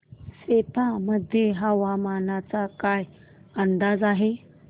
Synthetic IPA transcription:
set̪aməd̪ʱːjeɦəʋamanat͡sakaj | ənd̪ad͡zaɦe

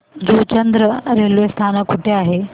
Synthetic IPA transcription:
d͡ʑuːt͡ɕɐ̃nd̪ɾəɾeːlest̪ʰaːnkʰʊʈeaːɦeː

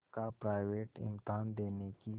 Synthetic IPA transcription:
kapɾaːɪʋeːʈɪ̰mt̪aːnd̪eːneki

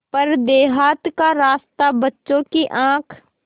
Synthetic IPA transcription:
pɐɾd̪eːɦaːt̪kaɾaːst̪abɐtːʃõkiʔãːkʰ

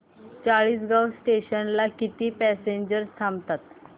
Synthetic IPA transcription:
t͡saɭiːsɡawsʈeɕənlakit̪iːpɛseɲd͡ʑəɾst̪ʰamt̪at̪

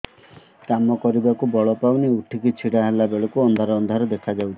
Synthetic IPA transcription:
kamɔkɔɾibakubɔɭɔpawniuʈʰikit͡ʃʰiɽaɦelabeɭɔkuɔnd̪ʱaɾɔːnd̪ʱaɾɔd̪ekʰad͡ʒawt͡ʃʰi̥

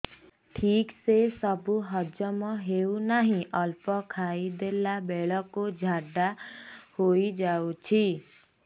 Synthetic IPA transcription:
ʈʰiːksesəbuɦəd͡ʒəmɔ̃ɦeːunaɦĩʔəlpɔkʰaːid̪elabɛːɭəkːod͡ʒʱaːɖahoːid͡ʒaːut͡ʃʰi

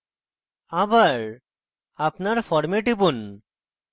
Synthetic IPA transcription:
abaɾ | apnaɾfɔɾmeʈibun

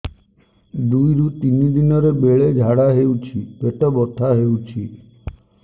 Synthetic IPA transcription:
d̪ujɾut̪inid̪inɔɾebeɭed͡ʒʱaɽaɦeut͡ʃʰipeʈɔbɔʈʰaɦeut͡ʃʰi

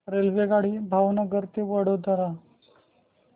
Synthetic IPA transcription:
ɾelʋeɡaɽiːbʱaʋnaɡəɾt̪eʋəɽ̤od̪əɾa

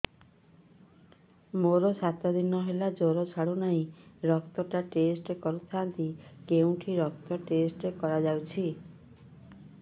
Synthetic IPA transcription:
moɾɔsat̪ɔd̪inɔɦelad͡ʒoɾɔt͡ʃʰaɽunaĩɾɔkt̪ɔʈaʈesʈekɔɾut̪ʰant̪ikeũʈʰiɾɔk̚t̪ɔʈesʈekɔɾad͡ʒawt͡ʃʰi

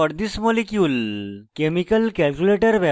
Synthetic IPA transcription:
əɽd̪ismolikjulkemikəlkɛlkuleʈəɾʋɛ

